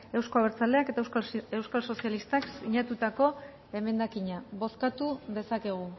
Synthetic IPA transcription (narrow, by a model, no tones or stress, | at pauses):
e̞wsko̞aβeɾt͡sale̞ake̞t̪aewskalso̞sialist̪aksiɲat̪ut̪ako̞ | e̞me̞nd̪akiɲaβo̞skat̪uðe̞sake̞ɣ̞u